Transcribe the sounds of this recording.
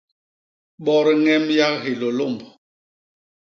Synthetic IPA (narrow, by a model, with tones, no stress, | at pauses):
ɓɔ˦ɾi˦ŋɛ˦mja˦kɦi˨lo˨lo˦˨mb